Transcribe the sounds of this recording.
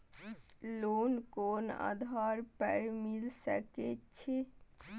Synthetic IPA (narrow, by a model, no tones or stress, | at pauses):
lonkona̰d̪ʱaɾpɛɾmilsə̰ket͡ʃʰe